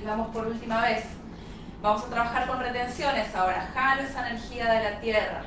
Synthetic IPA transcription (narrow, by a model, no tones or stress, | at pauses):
βamo̞spo̞ɾult̪imaβe̞s | bamo̞sat̪ɾaβaxaɾko̞nre̞t̪e̞nsjo̞ne̞sao̞ɾaxaɾesaneɾxiaðe̞lat̪jera̰